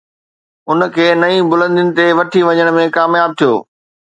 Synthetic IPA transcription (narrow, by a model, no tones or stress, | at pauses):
ʊnkʰeːnɐĩbʊlə̃nd̪ɪnɪ̆t̪eʋɐʈʰiʋɐɲəɽ̃mẽkaːmjaːb̚t̪ʰijo̰ː